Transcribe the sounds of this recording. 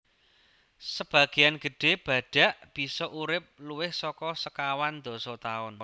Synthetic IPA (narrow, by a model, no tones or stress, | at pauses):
səb̥ä̤ɡ̥i̤janɡ̥ə̤ɖ̥e̤b̥a̤ɖ̥a̤ʔb̥i̤sɔʔuɾɪp̚luwɪhsɔkɔsəkawand̪o̤sɔt̪aʊn